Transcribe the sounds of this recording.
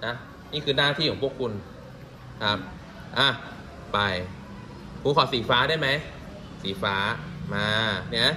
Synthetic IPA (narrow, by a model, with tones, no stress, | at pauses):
na˦˥ | niː˥˩kʰɯː˧naː˥˩t̪ʰi˥˩ɔː˨˩˦pʰəkʰu˧n | kʰa˦˥p̚ | ʔaː˧˩ | ba˧˩j | kʰuː˨˦kʰɔː˨˩˦siː˨˩˦faː˦˥daː˥˩jma˦˥j | siː˨˦faː˦˥maː˧ni˥˩a˦˥˩